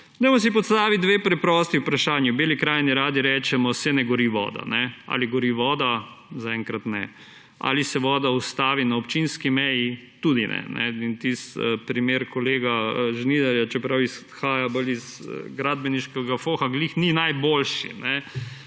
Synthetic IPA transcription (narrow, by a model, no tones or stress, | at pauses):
d̪ɔjmɔs̬ipɔt̪st̪aːʋit̪̚d̪ʋeːpɾɛpɾɔːst̪iupɾaʃaːnjibeːlikɾaːjniɾaːd̪iɾɛːt͡ʃɛmɔsɛnɛɡɔɾiʋɔ̰ːd̪a̰nɛa̰liɡɔɾiʋɔːd̪a | zaɛŋkɾat̪nɛ | a̰lisɛʋɔːd̪aɔst̪aːʋinaɔpt͡ʃinskimɛjit̪uːd̪inɛ̰nɛ̰int̪isəpɾimeɾkɔleːɡaʒnid̪aɾjat͡ʃɛpɾawis | xaːjabəlizə̰ɡɾad̪̚bɛniʃkɛɡafoxaɡliːxninajboːlʃḭnɛ